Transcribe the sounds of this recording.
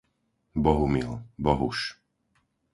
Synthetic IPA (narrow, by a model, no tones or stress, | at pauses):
bɔɦumilbɔɦuʃ